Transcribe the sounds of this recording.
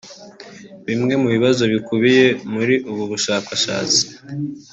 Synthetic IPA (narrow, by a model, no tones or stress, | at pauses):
βimŋe̞muβiβazo̞βikuβije̞muɾiʔuβuβuʃaːkaʃa̰ːt͡si̥